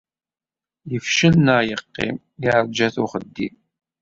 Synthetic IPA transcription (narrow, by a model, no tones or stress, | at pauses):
jəfʃənːəʁjəqːɪ̰m | ɪʕəɾˤd͡ʒæθʊχəd̪ːḭn